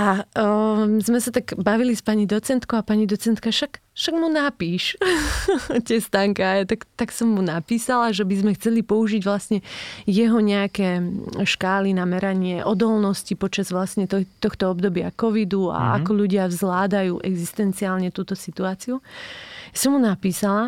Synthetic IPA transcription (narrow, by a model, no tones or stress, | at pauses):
ʔa | zmɛsat̪aɡbaʋilispaɲid̪ɔt͡sɛnt̪kɔʊapaɲid̪ɔt͡sɛnt̪kaʃakʃaɡmunapiːʃ | cɛst̪aŋkaajat̪akt̪aksɔmːunapiːsalaʒɛbizmɛxt͡sɛlipɔuʒiɟʋlasɲɛjɛɦɔɲɛakɛːʃkaːlinamɛɾaɲɪɛʔɔd̪ɔlnɔscipɔt͡ʃazʋlasɲɛt̪t̪ɔxt̪ɔɔbd̪ɔbɪa̰kɔʋid̪ua̰a̰kɔʎuɟɪavzlaːd̪ajuːʔɛɡzist̪ɛnt͡siaːlɲɛt̪uːt̪ɔsit̪uaːt͡siujasɔmːunapiːsala